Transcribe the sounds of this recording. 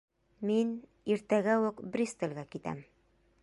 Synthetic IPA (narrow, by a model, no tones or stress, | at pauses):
min | iɾt̪æɡæwʉqbɾʲist̪ĕlʲɡækit̪æ̰m